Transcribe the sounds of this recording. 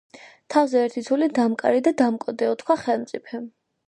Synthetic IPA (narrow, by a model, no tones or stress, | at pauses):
t̪ʰavzɛɛɾt̪ʰit̪sʰulid̪amkʼa̰ɾid̪ad̪amkʼɔd̪ɛɔt̪ʰkʰwaχɛlˠmt̪sʼipʰɛm